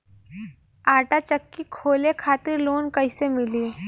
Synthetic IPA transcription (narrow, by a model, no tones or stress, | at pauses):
aːʈat͡ʃəkːikʰoːlekʰaːt̪ɪɾloːnkəɪsemɪliː